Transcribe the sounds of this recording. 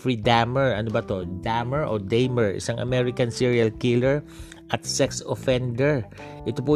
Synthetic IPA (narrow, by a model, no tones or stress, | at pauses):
fɹid̪amɛɹɐnobɐt̪od̪amɛɹʔod̪ejmɛɹɪ̰saŋʔɐ̰mɛɾɪkɐnsiɹiɐlkɪlɛɹ | ʔɐt̪̚sɛksofɛnd̪ɛɹʔɪt̪opʊ